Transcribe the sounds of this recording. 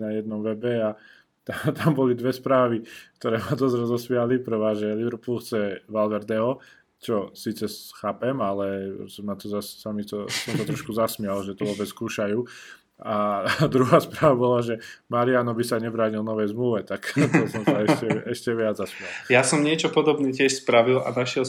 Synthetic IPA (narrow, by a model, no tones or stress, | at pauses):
najɛd̪̚nɔmʋɛbɛa | t̪at̪ambɔlid̪ʋɛspɾaːʋik̚t̪ɔɾɛːmad̪ɔzɾɛzɔsʋɪalipɾɛʋaːʒɛliɾɔpulkt͡sɛʋalʋɛɾd̪ɛɦɔ | t͡ʃɔsiːt͡sɛxaːpɛmalɛsmat̪ɔzassamit̪ɔsɔmt̪ɔt̪ɾɔʃkuzasmɪalʒɛt̪ɔʋɔbɛskuːʃajuː | ad̪ɾuɦaːspɾaːʋabɔlaʒɛmaɾianɔbisaɲɛbɾaːɲilnɔʋɛjzmluʋɛt̪akt̪ɔsɔmsaɛʃcɛɛʃcɛʋɪad͡zzasmɪjaljasɔmɲɪɛt͡ʃɔpɔd̪ɔbnɛːcɪɛʃspɾaʋila̰naʃɪɛl